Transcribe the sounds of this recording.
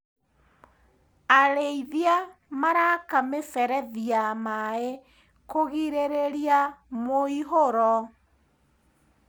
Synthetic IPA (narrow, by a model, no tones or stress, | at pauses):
aɾeiðjamaɾakamesɛɾɛðiamae | koɣiɾeɾeɾiamoiɦoɾɔ